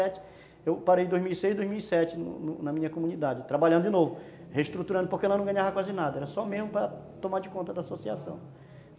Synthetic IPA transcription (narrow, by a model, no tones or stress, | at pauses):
ɛt͡ʃɪ̥ | ewpaɾejd̪ojzmiwisejzd̪ojzmiwisɛt͡ʃɪnʊ̰nʊnɐmĩɲɐkomũnid̪ad͡ʒɪt̪ɾabaʎɐ̃nd̪ʊd͡ʒɪnovʊ | heiʃt̪ɾut̪uɾɐ̃nd̪ʊpoɾkeɛlɐnɐ̃ɡɐ̃ɲavɐkwazɪnad̪ɐɛɾɐsɔmezmʊpɾɐ | t̪omaɾd͡ʒɪkõnt̪ɐd̪asosiasɐ̰̃w̃